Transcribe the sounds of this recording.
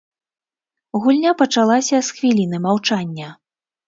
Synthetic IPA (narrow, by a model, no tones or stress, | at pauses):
ɣulʲnʲapɐt͡ʂalˠasʲɐsxvʲilʲinɨmawt͡ʂanʲːɐ